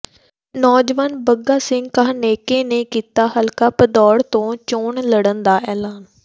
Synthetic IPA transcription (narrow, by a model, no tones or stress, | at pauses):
nɔːd͡ʒʋaːnbəɡaːsɪ̃ŋɡkaɦneːkeːneːkiːt̪aːɦəlkaːpəd̪ɔːɽt̪õːt͡ʃoːɳləɽənd̪aːʔɛːlaːn